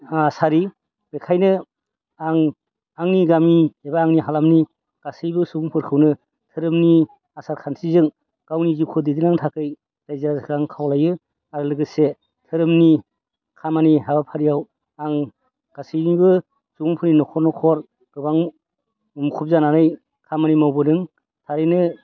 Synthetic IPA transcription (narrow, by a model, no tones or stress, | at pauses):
saɾi | bekʰajnɯ | aŋ | aŋniɡamiebaːŋniɦalamni | ɡ̥asɯjbɯsuɡuŋpʰɯɾkʰɯwnɯ | tʰɯɾɯmni | asaɾkʰansʰizɯŋ | ɡ̥awnizɯkʰɯdidinaŋtʰakɯj | z̥ajzaɾazakʰaŋkʰawlajɯ | aɾɯlɯɡɯse | tʰɯɾɯmni | kʰamaniɦabapʰaɾijaw | aŋ | ɡ̥asɯjnibɯ | suɡuŋpʰɯɾninɔkʰɔɾnɔkʰɔɾ | ɡ̥ɯbaŋ | mukʰup̚zananɯj | kʰamanimawbɯnɯŋ | tʰaɾɯnɯ